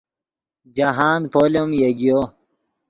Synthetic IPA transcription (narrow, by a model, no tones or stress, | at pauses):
d͡ʑaɦaːnpʰoːleomjeɡijoː